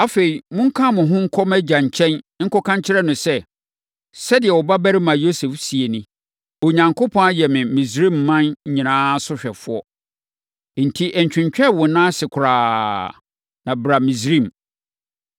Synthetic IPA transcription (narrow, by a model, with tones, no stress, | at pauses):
a˦fe˨i˨mʊ̃˦ŋ̩˦kʰã˦˨mʊ̃˨ɦʊ̃˦ŋ̩˦kʰɔ˦mɛ˦d͡ʑã˨ɲ˨t͡ɕʰɛ̃˦n˦ŋ̩˦kɔ˦kʰã˦ɲ˦t͡ɕʰɪ˦ɾɛ˦nʊ̃˨sɛ˦ | sɛ˦dɪ˨ɛ˨wɔ˨ba˦bæ˦ɾɪ˦mã˨jo˦se˨fsi˨e˨nĩ˦ | ɔ˨ɲã˨ŋkʰʊ˦pʰɔ̃˦a˦jɛ˨mɪ̃˨mĩ˨sɾĩ˦˨mːã˦n̩˦ɲĩ˨nãː˦sʊ˦ɕᶣɛ˨fʊ˦ɔ˦ | n̩˨tʰi˦ʔɛ˨ɲ˨t͡ɕᶣɪ̃˨ɲt͡ɕᶣɛ˦˨wʊ̃˨nã˦sɪ˨kʰʊ˨ɾaː˨ | nã˨bɾa˨mĩ˨s̬ɾĩ˦˨m